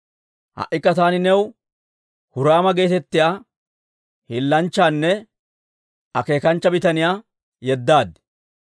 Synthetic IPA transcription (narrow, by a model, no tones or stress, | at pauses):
hɐ̰ʔːɪkːɐt̪aːnɪnɛw | hʊɾaːmɐɡe̞ːt̪ɛt̪ːɪjaː | hɪlːɐnt͡ʃːaːnːɛ | ɐke̞ːkɐnt͡ʃːɐbɪt̪ɐnɪjaː | jɛd̪ːaːd̪